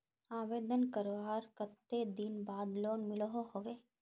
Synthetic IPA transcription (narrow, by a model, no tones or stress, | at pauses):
aːʋeːd̪ənkəɾʋaːɾkət̪ːed̪inbaːd̪loːnmɪlɔɦohoʋeː